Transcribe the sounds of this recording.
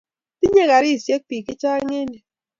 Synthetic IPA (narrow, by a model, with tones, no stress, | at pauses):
ti˦ɲe˦ɣa˨ɾi˦˨sje˦k̚piː˨ki˦t͡ʃaː˦ŋe˦ni˨